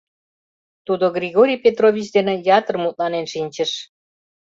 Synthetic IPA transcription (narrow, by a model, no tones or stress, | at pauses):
t̪ud̪oɡrʲiɣoɾʲijpet̪rovʲit͡ɕd̪enĕjɑt̪ərmut̪̚lɑnenʃinʲt͡ɕəʃ